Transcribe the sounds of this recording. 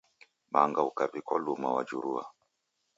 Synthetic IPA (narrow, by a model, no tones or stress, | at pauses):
maŋɡaukavikalumawad͡ʒuɾua̰